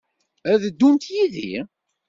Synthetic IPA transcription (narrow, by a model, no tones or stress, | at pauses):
æðd̪ːunt̪jiðḭ